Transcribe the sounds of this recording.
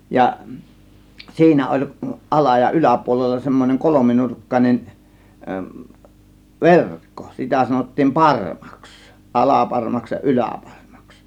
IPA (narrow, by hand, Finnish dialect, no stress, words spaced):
jɑ siːnæ olʲ ʔɑlɑ jɑ ylæpuolelːɑ semːoneŋ kolominurkːɑnʲen ʋerkːo̥ sitæ sɑnotːiːm pɑrmɑ̥ks ʔɑlɑpɑrmɑks jɑ ʔylæˑpɑrmɑ̥ks